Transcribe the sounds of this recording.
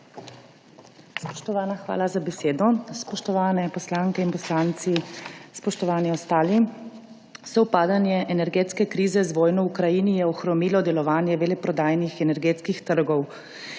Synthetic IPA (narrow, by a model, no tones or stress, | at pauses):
spɔ̥ʃt̪ɔʋaːnaxʋa̰ːlazabɛseːd̪ɔspɔʃt̪ɔʋaːnɛpɔslaːŋkɛinpɔslant̪sispɔʃt̪ɔʋaːniɔst̪aːli | sɔwpaːd̪anjɛʔɛnɛɾɡeːt̪skɛkɾiːzɛzʋɔːjnɔukɾajinijɛɔxɾɔmiːlɔd̪ɛlɔʋaːnjɛʋelɛpɾɔd̪aːjnixɛnɛɾɡeːt̪skixt̪əɾɡɔw